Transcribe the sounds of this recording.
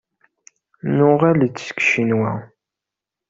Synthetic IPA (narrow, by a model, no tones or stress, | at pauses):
nʊʁælt͡sːskʃinwæ